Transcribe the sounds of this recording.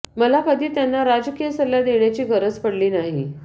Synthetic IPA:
məlakəd̪ʱiːt̪janːaɾad͡zkijəsəlːad̪eɳjat͡ɕiːɡʱəɾət͡spəɽliːnaɦi

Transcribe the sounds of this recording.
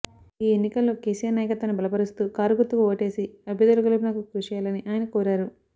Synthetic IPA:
iːenːikɐlːo̞ːkeːsijaːɾnaːjɐkɐt̪ʋɐːnibʱɐlɐpɐɾust̪uːkaːɾuɡut̪ːuʋɐoːʈe̞ːsiɐbʱɐd̪ɐlɐɡɐlpinaːkukuːʂijaːlɐniʔaːjɐnɐkoːɾaːɾu

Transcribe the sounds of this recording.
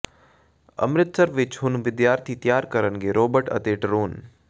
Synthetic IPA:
ɐ̰mɾɪt̪səɾʋɪt͡ʃɦʊnʋɪd̪jaːɾt̪ʰit̪jaːɾkɐɾənɡeːɾoːbəɾʈɐ̰t̪eːʈɾuːn

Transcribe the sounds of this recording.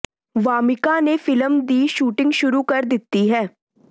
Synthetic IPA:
ʋaːmɪkanefɪləmd̪iːʃuːʈɪ̃ŋɡʃʊɾukɐɾd̪ɪt̪ːiɦɛː

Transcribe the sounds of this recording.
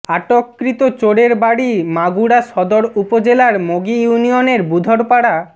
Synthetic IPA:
aʈokːɾit̪ot͡ɕoɽeɾbaɽimaɡuɽaʃɔd̪oɾupod͡ʑelaɾmoɡijunijoneɾbud̪ʱoɽpaɽa

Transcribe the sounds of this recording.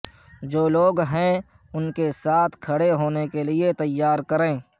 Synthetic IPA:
d͡ʒoːloːɡɦɛ̃ | ʊnkesaːt̪ʰkʰɐɽeɦoːnekeliet̪ɐjːaːɾkɐɾẽː

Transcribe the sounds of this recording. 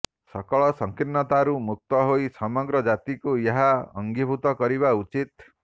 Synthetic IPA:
sʌkɔɭɔsʌŋkirnːʌt̪aɾumuk̚t̪ɔɦojsʌmɔɡɾʌd͡ʒat̪ikojeɦaʌ̰ŋɡibʱut̪ʌkʌɾiβaut͡ʃit̪

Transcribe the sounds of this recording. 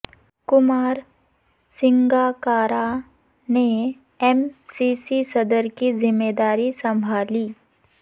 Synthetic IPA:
kʊmaːɾ | sɪ̃ŋɡaːkaːɾa | ne | ɛmsisisɐd̪əɾkizɪmːeːd̪aːɾisɐ̃mbʱaːliː

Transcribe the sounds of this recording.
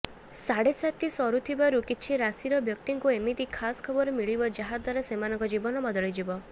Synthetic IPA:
saɽesat̪isɔɾut̪ʰibaɾukit͡ʃʰiɾasiɾɔbjɔk̚t̪iŋkuemit̪ikʰaskʰɔbɔɾɔmiɭibɔd͡ʒaɦad̪ɔɾesemanɔŋkɔd͡ʒibɔnɔbɔd̪ɔɭid͡ʒibɔ

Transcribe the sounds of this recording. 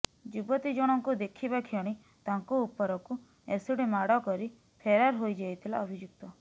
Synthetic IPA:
d͡ʒubɔt̪id͡ʒɔɽ̃ɔŋkud̪ekʰibakʰjɔɽ̃i | t̪aŋkuːpɔɾɔku | esuɽimaɽɔkɔɾi | pʰeɾaɾɦojd͡ʒajt̪ʰila̰ɔbʱid͡ʒuk̚t̪ɔ

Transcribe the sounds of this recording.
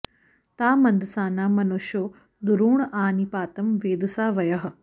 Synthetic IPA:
t̪aːmɐ̃nd̪saːnaːmɐnoʃo | d̪ʊɾuːɳ̃ʔaːniːpaːt̪ɐmʋeːd̪saːʋɐjɐɦ̆

